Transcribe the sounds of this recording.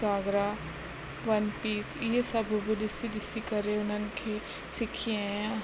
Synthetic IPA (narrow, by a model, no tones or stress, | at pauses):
aːɡɾa | ʋɐnpiːtʰɪɦesɐbʱbʱɪɗɪsiɗɪsikɐɾeʊn̤ənɪ̆kʰeː | sɪkʰiẽ